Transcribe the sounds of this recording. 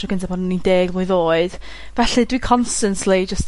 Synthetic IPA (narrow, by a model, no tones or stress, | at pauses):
ɔɡəntʰapʰɔnnideːɡmʊɨðoːɨd̥ | vɛɬɨdwikʰɔnstənslid͡ʒəst